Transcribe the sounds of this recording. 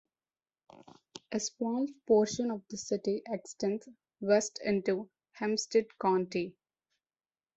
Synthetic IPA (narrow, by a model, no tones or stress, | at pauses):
ʔespɔ̃ːlpoːɾʃə̃nɔʋd̪əsɪʈiʔeksʈɛ̃nt | ʋɛsʈʰɪ̃ɳʈu | hɛ̃msʈəɖkãʊ̃ɳʈi